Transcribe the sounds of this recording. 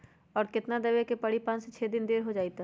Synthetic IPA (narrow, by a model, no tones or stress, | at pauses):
ɔːɾkɪt̪nad̪ɐʋekepɐɽipãːnset͡ʃʰeːd̪ɪnd̪eːɾɦod͡ʒaːit̪a